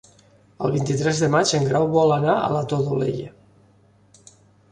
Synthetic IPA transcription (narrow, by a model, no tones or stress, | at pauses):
əlˠβint̪it̪ɾɛzðəmat͡ʃəŋɡɾawβɔlənaə̰lət̪oðolḛʎə